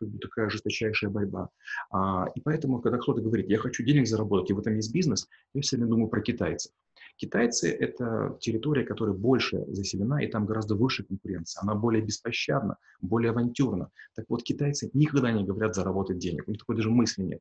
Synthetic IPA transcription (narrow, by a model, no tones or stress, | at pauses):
kaɡ̚bɨt̪ɐkajəʐɨst̪ɐt͡ɕæjʂɨjəbɐɾʲbaaipɐɛt̪əmʊkɐɡd̪akt̪o̞t̪əɡəvɐɾʲit̪jaxɐt͡ɕudʲenʲɪɡzəɾɐbo̞t̪ətʲɪvɛt̪əmjes̬ʲt̚ʲbʲiznɨsjafsʲvɾʲɪmʲed̪uməjʊpɾəkʲɪt̪ajt̪sɨ̥ | kʲɪt̪ajt̪sɨ̰ʔɛt̪ə̰tʲɪɾʲɪt̪o̞ɾʲɪjəkɐt̪oɾəjəbo̞lʲʂɨ̰zəsʲɪlʲɪnaʔḭt̪amɡɐɾazd̪əvɨʂɨjəkənkʊɾʲe̞nt̪sɨjəɐnabo̞lʲɪjəbʲɪspɐɕːa̰d̪̚nə̰ | bo̞lʲɪjəvɐnʲtʲurnə̰t̪akvo̞t̪kʲɪt̪ajt̪sɨnʲɪkɐɡd̪anʲɪɡəvɐɾʲat̪zəɾɐbo̞t̪ət̚ʲdʲenʲɪ̰kʊnʲixt̪ɐkojd̪aʐɨmɨsʲlʲɪnʲḛt̪̚